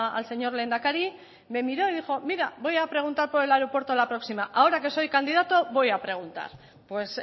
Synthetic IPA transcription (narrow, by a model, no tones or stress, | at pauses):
a̰lse̞ɲo̞ɾleːnd̪akaɾi | me̞miɾo̞eðixo̞miɾabo̞japɾe̞ɣ̞unt̪aɾpoɾelaeɾopwe̞ɾt̪olapɾo̞ksimaʔaoɾake̞so̞jkand̪iðat̪oβo̞japɾe̞ɣ̞unt̪a̰ɾ | pwe̞s